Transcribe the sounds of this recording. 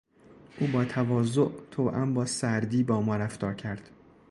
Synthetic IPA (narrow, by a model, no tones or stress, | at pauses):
ʔuːbɒːt̪ʰævɒːzoʔt̪ʰoːʔæmbɒːsæɾd̪iːbɒːmɒːɾæft̪ɒːɾcʰæɾd̪̥